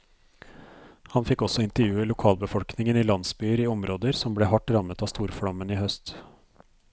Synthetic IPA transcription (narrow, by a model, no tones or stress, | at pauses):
hɑnfɪkːɔsɔɪnt̪əɾjʉːəlʊkʰɑːlbəfɔlknɪŋəniːlɑnsbyːəɾiːɔmɾoːd̪əɾsɔmbleːhɑʈɾɑmət̪ɑːst̪uːɾfɽɑməniːhœst̪